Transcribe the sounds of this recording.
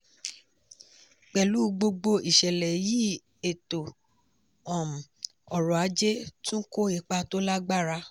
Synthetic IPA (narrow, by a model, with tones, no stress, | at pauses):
k͡pɛ˨lu˨˦ɡ͡bo˧ɡ͡bo˧i˨ʃɛ˨lɛ˨ji˦ | e˨to˨ | ɔ̃˨m̩˨ | ɔ˨ɾɔ˨a˨˦d͡ʒe˦tũ˦ko˦i˨k͡pa˧to˦la˦ɡ͡ba˦ɾa˧